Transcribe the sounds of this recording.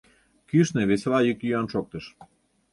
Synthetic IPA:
kyʃneβeslɑjykjyɑnʃok̚t̪əʃ

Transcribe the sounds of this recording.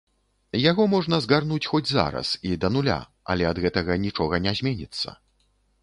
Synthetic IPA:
jaɣɔmɔʐnɐzɣarnut͡sʲxɔd͡zʲza̰ɾɐ̰sid̪ɐnulʲa̰ | ɐ̰lʲɛɐd̪ɣɛt̪ɐɣɐnʲit͡ʂɔɣɐnʲazʲmʲɛnʲit̪sːɐ̰

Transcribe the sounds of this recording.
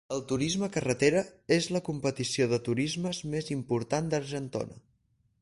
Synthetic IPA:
əlˠt̪uɾizməkərət̪eɾəezləkumpət̪isioðət̪uɾizməzmezimpuɾt̪and̪əɾʒənt̪o̰nə̰

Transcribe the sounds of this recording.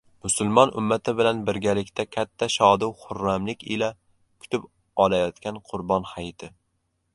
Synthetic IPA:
mʊsʊlˠmɒnʔʊ̰mːat̪ʰɪbɪlanbɪɾɡʲalɪkʲt̪ʰakʲʰat̪ʰːaʃɒd̪ɪwχʊɾːamlɪkʲɪla | kʲʰʊ̥t̪ʰɪp | ɒlajɒt̪kʲanqʰʊɾbɒnhajt̪ʰɪ

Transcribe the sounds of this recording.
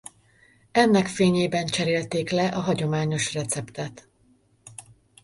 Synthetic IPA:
ɛnːɛkfeːɲeːbɛnt͡ʃɛɾeːlt̪eːklɛʔɒɦɒɟo̞maːɲo̞ʃrɛt̪sɛpt̪ɛt̪

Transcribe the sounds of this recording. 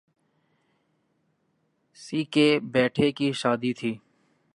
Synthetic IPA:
siːkebɛːʈʰekiʃaːd̪it̪ʰiː

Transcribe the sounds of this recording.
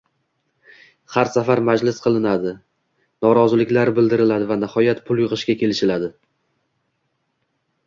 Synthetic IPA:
haɾsafaɾmad͡ʒlɪsqʰɨlˠɪnad̪ɪ | nɒɾɒzɪlɪkʲlaɾbɪld̪ɪɾɪlad̪ɪvanahɒjat̪pʰʊlˠjɨʁɨʃkʲakʲʰe̞lɪʃɪlad̪ɪ

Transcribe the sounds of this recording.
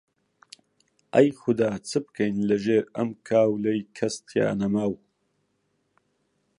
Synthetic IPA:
ʔɐjxʊd̪aːt͡sʰɨbkʰɐjnlɐʒeːɾɐmkʰaːwlɐjkʰɐst̪ʰja̰ːnɐmaːw

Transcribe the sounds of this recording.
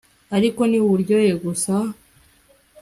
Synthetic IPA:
aɾiko̞niuβuɾɟo̞jeɡusa

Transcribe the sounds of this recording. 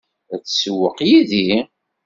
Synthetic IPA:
æt͡sːsəwəqjiði

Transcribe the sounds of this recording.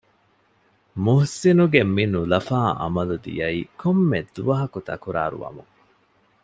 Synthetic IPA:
muhsinuɡemːinulɐfaːʔɐ̰mɐlud̪ḭjɐiːkomːed̪uʋɐɦɐkut̪ɐ̰kuɾa̰ːɾṵʋɐ̰muŋ

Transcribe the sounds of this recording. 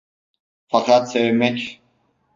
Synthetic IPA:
faqʰat̪sɛvmɛcʲ

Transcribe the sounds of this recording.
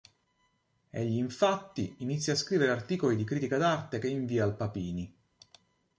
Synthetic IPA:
eʎːiːɱfat̪ːiinit̪sːjaːskɾiːveɾeart̪iːkolid̪ikɾiːt̪ikad̪art̪ek̟eiɱviːaːlpapiːni

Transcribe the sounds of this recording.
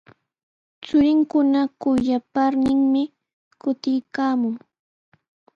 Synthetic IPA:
t͡sʊɾɪŋkʊnakʊjapaɾnɪŋmɪ | kʊt̪ɪjkaːmʊŋ

